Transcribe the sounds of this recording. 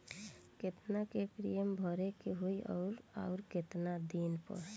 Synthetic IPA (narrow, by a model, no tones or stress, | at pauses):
ket̪nakepɾijəmbʱɔɾekeɦoiʔɔ̰ːɾa̰ʊɾket̪nad̪inpə̰ɾ